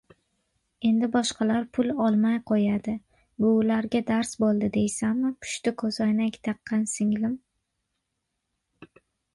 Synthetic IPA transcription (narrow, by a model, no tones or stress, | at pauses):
e̞nd̪ɪbɒʃqʰɑlaɾpʰʊlɒlˠmajqʰojad̪ɪ | bʊːlaɾɡʲad̪aɾsbolˠd̪ɪd̪e̞jsamːɪpʰʊ̥ʃt̪ɪkʰɵzanakʲt̪ʰɑqːɑnsɪŋlɪm